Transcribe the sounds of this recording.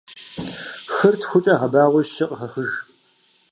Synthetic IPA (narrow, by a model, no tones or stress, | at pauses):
xɨrtʰxʷʊt͡ʃʼɐʁɐbaːʁʷɔʃɪqʼʁɐxɨʒ